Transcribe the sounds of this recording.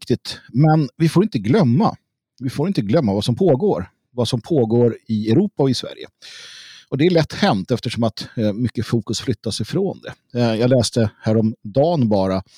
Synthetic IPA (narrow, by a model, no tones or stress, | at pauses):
kt̪ɪt̪mɛnvɪfoːɾɪnt̪əɡlœmːa̰ | vɪfoːɾɪnt̪əɡlœmːavasɔmpʰoːɡoːɾ | vasɔmpʰoːɡoːɾɪɛʊɾuːpaɔɪsvæ̰ɾjə̰ | ɔd̪ɛæɭɛt̪ːhɛnt̪ɛft̪əʂɔmat̪mʏkːəfuːkɵsflʏt̪ʰːasɪfɾoːnd̪ɛ̰ | jɑːɡlɛːst̪əhæːɾɔmd̪ɑːnbɑːɾa